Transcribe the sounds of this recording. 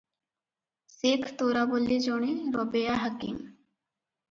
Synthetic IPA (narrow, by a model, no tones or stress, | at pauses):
sekʰt̪oːɾabolid͡ʒɔɳiɾɔbejaɦɐkḭm